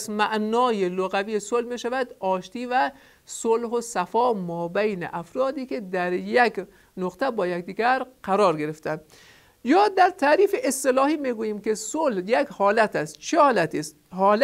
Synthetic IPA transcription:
zmæʔnɒːjeloɣæviːjesolhmiʃævæd̪ɒːʃt̪iːvæ | solɦosæfɒːmɒːbæjnḛʔæfɾɒːd̪iːked̪æɾjæk | noqt̪ʰæbɒːjæk̚d̪iːɡæɾqæɾɒːɾɡe̞ɾeft̪ænd̪ | jɒːd̪æɾt̪ʰæːɾiːfeʔest̪elɒːhiːmiɡuːjiːmkesolhjækhɒːlæt̪ʰæst̪t͡ʃʰehɒːlæt̪ʰist̪ɦɒːl

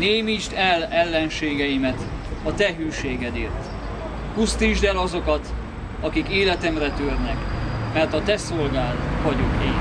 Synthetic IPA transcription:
neːmiʃt̪ɛlɛlːɛnʃeːɡɛjimɛt̪ | ɒt̪ɛɦyːʃeːɡɛd̪eːrt̪ | kust̪iʒd̪ɛlɒzo̞kɒt̪ | ɒkikeːlɛt̪ɛmrɛt̪ørnɛkmɛrt̪ɒt̪ɛsolɡaːlt̪ʋɒɟukeː

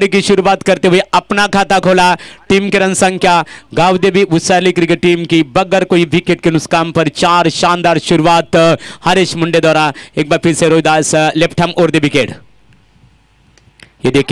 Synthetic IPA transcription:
ɾikiʃʊɾuʋaːt̪kɐɾt̪eɦueɐpnakʰaːt̪akʰoːlaʈiːmkeɾɐnsɐ̃ŋɡkjaːɡaːʋd̪ebʱiʊsaːɾlikɾikeʈiːmkibɐɡəɾkoːiʋikeʈ̚kenʊskaːmpɐɾt͡ʃaːɾʃaːnd̪aːɾʃʊɾuʋaːt̪hɐɾeʃmʊɳɖed̪ɔːɾaeːk̚baːɾpʰɪɾseɾoːjd̪aːsleːpʈʰɐmoːɾd̪eʋikeːʈ | jed̪eːkʰ

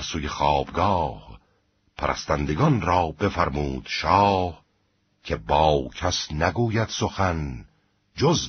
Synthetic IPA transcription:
ɾsuːjexɑːb̥ɡɒːh | pʰæɾʔæ̰st̪ænd̪e̞ɡɒnɾɒːbe̞fæɾmuːd̪̥ʃɒːh | cʰebɒːcʰæsnæɡuːjæd̪̥so̞xæn | d͡ʒoz

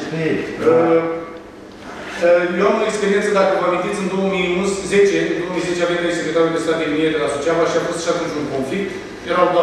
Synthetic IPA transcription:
ə | əjowamoekspe̞ɾint̪səd̪akəvəamint̪it̪sʲɨnd̪o̞wəmijunsze̞t͡ʃeɨndo̞omijze̞t͡ʃeavemɾesifet̪amep̪est̪at̪̚d̪emieɾelasot͡ʃavaʃiafo̞st̪ʃat̪unt͡ʃuŋkonflik̚t̪ | jeɾaw

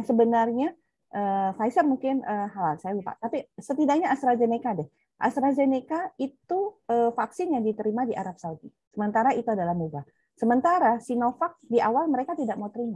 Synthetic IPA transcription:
aŋsəbənarɲa | ʔəfajsərmuŋkɪnəɦalalsajalupa̰ʔt̪apisət̪idak̚ɲaːst̪ɾazenekadɛh | ʔa̰st̪ɾazenekait̪uəfaksɪnjaŋdit̪əɾimadiʔaɾap̚saudi | səmənt̪aɾait̪uadalamuɡa | səmənt̪aɾasinofak̚diʔawalməɾekat̪idak̚maut̪əɾima

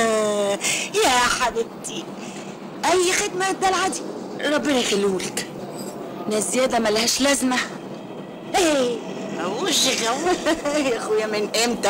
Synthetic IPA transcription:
jæʔaħad̪ɪt̪ːi | ʔæjːxɪd̪mad̪ælʕad̪i | ɾˤɑbːɪnæxaluːlk | næzːjæːd̪æmælhæːʃlæzma | ʔe | wʒiɣæwjaxʊjæmɪnʔæmt̪æ

